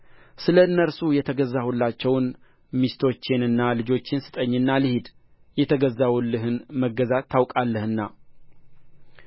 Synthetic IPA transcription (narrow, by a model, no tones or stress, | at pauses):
sɨləɨnːəɾsujɛt̪ʰəɡəzːahulːat͡ʃːɛwn | mist̪ʰo̞t͡ʃːɪnɨnːalɨd͡ʒo̞t͡ʃːɪnsɨ̥t̪ʼəɲːɨnːalɨhɪd̪ | jɛt̪ʰəɡəzːawulːɨɦɨnməɡəzat̪ːawkʼalːəhɨnːa